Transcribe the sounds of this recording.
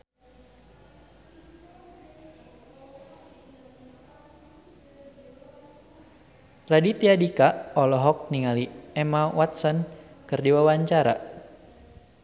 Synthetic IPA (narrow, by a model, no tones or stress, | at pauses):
radit̪iadikaɔlɔɦɔk̚niŋaliɛmawat̪̚sɔn | kɨrdiwawaɲt͡ʃaɾa̰